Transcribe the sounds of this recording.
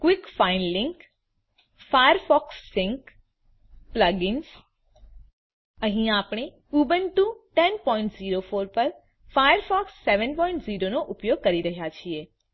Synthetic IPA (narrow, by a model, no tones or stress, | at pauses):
kwikfainlɪ̃ŋk | fajəɾfɔksːɪ̃ŋk | pləɡɪns | əɦĩapɳ̃e | ubənʈũʈɛnpɔĩɳʈziɾofoɾpəɾ | fajəɾfɔksːeʋənpɔĩɳʈziɾonoʔʊpjoɡ̚kəɾiɾəɦjat͡ʃʰie